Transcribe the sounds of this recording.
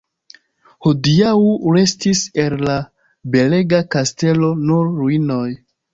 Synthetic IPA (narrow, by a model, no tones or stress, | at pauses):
hodiauɾe̞stise̞lla | be̞le̞ɡakaste̞lo̞nuɾːuino̞j